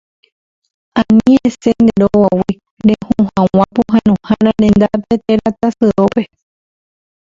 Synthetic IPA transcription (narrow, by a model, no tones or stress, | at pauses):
ãnĩesend̪eɾoawi | ɾehũhãwãpuɦãnõhãɾ̃ãɾẽnd̪apet̪eɾat̪asɨope